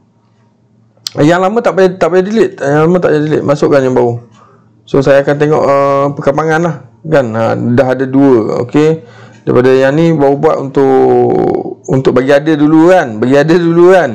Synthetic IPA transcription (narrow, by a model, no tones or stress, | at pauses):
jaŋlamə̃t̪aʔbajt̪aʔpajadilɪʔ̪jaŋlamə̃t̪a̰ʔjadilɪ̰ʔ̪̚masʊʔkanjaŋbau | sosajaːkant̪eŋɔ̰ʔəpəkəmpaŋanlahkanə̰daɦadaduəo̰kedaḭpadajaŋnibaubua̰ʔ̪unt̪ʊʔ | unt̪ʊʔ̚baɡiadədulukanbaɡiadədulukan